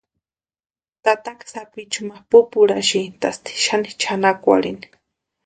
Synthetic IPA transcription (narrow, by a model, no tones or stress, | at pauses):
t̪at̪akḁsapit͡ʃumapupuɾaʃint̪ast̪i̥ʃanit͡ʃʰanakʷa̰ɽini̥